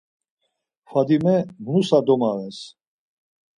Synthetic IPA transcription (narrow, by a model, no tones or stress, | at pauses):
fad̪imɛmnusad̪ɔmaɾɛs